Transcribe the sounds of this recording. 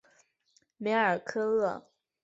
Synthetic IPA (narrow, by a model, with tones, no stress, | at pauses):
me˧˥ə˞˨˩kʰɤ˥lɤ˥˩